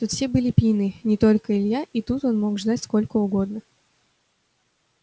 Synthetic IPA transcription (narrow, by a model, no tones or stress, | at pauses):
t̪ut̪fsʲe̞bɨlʲɪpʲinɨnʲɪt̪o̞lʲkəɪlʲjaʔit̪ut̪o̞nmo̞kʐd̪atʲsko̞lʲkəʊɡo̞d̪nə